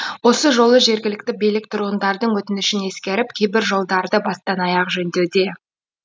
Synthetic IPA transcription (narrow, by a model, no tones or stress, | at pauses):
wo̞səʒo̞lˠəʒe̞ɾɡʲɪlɪk̚t̪ɪbijlɪk̚t̪ʰʊɾuʁənd̪ɑɾd̪əɴwɵt̪ɪnɪʃɪne̞skʲe̞ɾɪp̚kʲʰejbɪɾʒo̞lˠd̪ɑɾd̪əbɑst̪ɑnɑjɑqʒɵnd̪e̞wd̪e̞